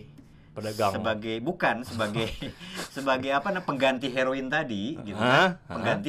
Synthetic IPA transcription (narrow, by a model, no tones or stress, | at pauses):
pədaɡasəbaɡajbukansəbaɡajsəbaɡajapanahpəŋɡant̪iɦeɾoɪnt̪adiɡit̪uapəŋɡant̪i